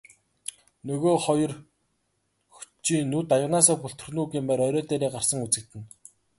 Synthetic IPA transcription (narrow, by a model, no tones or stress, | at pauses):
nɵɣoːχɔjɞ̆r | xu̥t͡ɕiːnut̪ajə̆ʁnaːsaːpɵɬt̪ɵ̆rnuːɡiːmpæːɾœɾɔːt̪eːɾiːɢarsə̆ŋut͡sɘ̆k̚t̪ɘ̆n